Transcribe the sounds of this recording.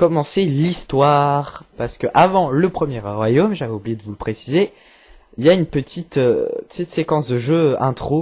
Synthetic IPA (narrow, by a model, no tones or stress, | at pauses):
kɔmɑ̃selist̪waːʁpaʁsə̥kəʔavɑ̃ləpχəmjɛʁʁwajomʒavɛublijed̪əvuləpχesize | iljaynpət̪ʰit̪øət̪it̪sekɑ̃sd̪əʒøɛ̃t̪χo